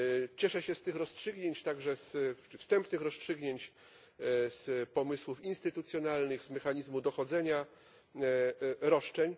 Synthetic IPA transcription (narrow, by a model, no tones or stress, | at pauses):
t͡ɕɛʂɛɕɛst̪ɘxɾɔstʂɘɡɲeɲt͡ɕt̪aɡʐɛsfst̪ɛmpnɘxɾɔstʂɘɡɲeɲt͡ɕ | spɔmɘswufinst̪ɘt̪ut̪sʲjɔnalnɘɣzmɛxaɲizmud̪ɔxɔd̪zɛɲa | ɾɔʂt͡ʂɛɲ